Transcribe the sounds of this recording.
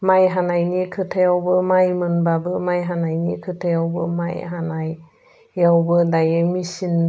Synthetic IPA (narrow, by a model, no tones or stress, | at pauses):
majɦanajnikʰɯtʰejawbɯmajmɯnbabɯmajɦanajnikʰɯtʰejawbɯmajɦanaj | jawbɯdajemisin